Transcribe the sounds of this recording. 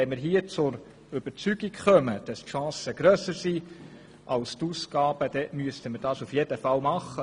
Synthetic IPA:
ɛmɪɾɦiət͡sʊɾ | ʏb̥əɾt͡syɡikχœməd̥ɑstʃɑ̃ːsəɡ̥ɾœːsəɾsi | ʔɑlst̪usɡɑːb̥əd̥̪ɛmyəstəməɾd̥ɑːsufjɛd̥əfɑlmɑχːə

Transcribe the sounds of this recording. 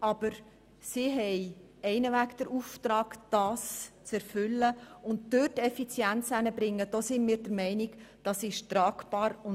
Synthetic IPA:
ʔɑb̥əɾ | siɦɛɪ | ɛɪnəvækd̥̪əɾuːft̪ɾɑːɡ̥d̥ɑːst͡sɛɾfʏlːəʊnt̚d̥øtɛfit͡sjænt͡sænəbɾɪŋːəd̥osɪnmiːɾdəɾmɛɪnɪɡd̥ɑsɪʃtɾɑːkbɑːɾʊn

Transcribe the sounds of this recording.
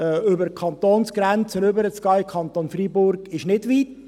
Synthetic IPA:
ɛʏbəɾkʰɑnt̪oːnsɡ̥ɾɛnt͡sənʏbəɾət͡skɑːɪkʰɑnt̪onfribʊɾɡ̥ɪʃnɪdʋiːt

